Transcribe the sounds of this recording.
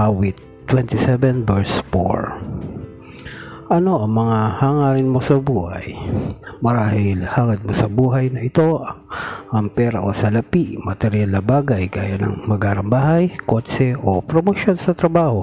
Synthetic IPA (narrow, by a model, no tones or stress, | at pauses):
ʔawɪt̪ːwɛnt̪ɪsɛvɛnbɛɹsfo̰ɹ | ʔɐno̞ʔɐŋmɐŋahaŋaːɾɪnmo̞sɐbuːhɐ̰jmɐɾaːhɪlhaːŋɐd̪̚mosɐbuːɦɐjnɐʔɪt̪o̞ʔɐʔɐŋpɛːɾɐʔosɐlɐpiʔmɐt̪ɛɾjalnɐbaːɡɐjɡaːjanɐ̰ŋmɐɡaːɾɐmbaːhɐjkot͡ʃɛʔopɾomoʃo̞nsɐt̪ɾɐbaːho̞